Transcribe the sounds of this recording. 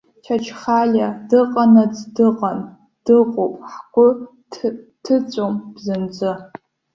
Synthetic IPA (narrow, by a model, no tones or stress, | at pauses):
tʰɐt͡ʃʰχaːɮɐdɨqʼɐnɐt͡sʼdɨqʼɐn | d̥ɨqʷʼopʼħɡʷʊ | tʰɨt͡sʷʼomb̥zɨnd͡ʒʷʼɨ